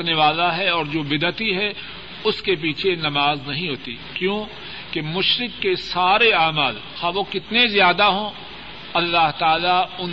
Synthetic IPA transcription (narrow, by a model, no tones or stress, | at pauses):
ɾneʋaːlaɦɛɔːɾd͡ʒoːbɪd̪ət̪iɦɛ | ʊskep̬iːt͡ʃʰenɐmaːznɐɦĩɦoːt̪ḭ | kjõː | kemʊʃɾɪkːesaːɾeaːmaːl | xaːʋokɪt̪nezjaːd̪aɦõː | ɐlːaɦt̪aːlaʊn